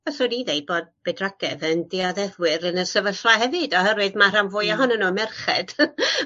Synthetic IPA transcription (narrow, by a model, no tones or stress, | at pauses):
asodiðejboːd̚b̥ɛdraɡ̥ɛðəndiaðɛðwɪɾənəsəvəɬlaɦɛvɨdɔhɛɾwɨðmar̥amvʊjaɦɔnənumɛrχɛd̥